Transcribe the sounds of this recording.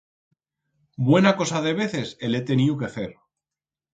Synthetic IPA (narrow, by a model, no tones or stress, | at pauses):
bwe̞nako̞saðe̞β̞e̞θe̞sele̞t̪e̞niuke̞aθe̞ɾ